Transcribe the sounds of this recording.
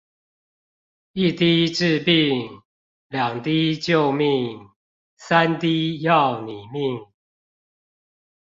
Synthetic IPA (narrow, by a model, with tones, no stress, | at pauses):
i˥˨t̪i˥˦ʈ͡ʂɻ̩˥˧pi˥˨ŋ | ljɑ˨˩ŋt̪i˦t͡ɕjo˥˨ʊmi˥˨ŋ | sa˦nt̪i˦jɑ˥˨ʊni˨˩mi˥˨ŋ